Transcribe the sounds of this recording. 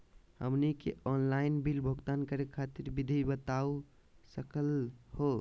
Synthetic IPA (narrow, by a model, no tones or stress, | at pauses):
hə̰mnikḛʔɔnlaɪnbilbʱəɡt̪ankəɾekʰat̪iɾbid̪ʱibət̪au | səkəlho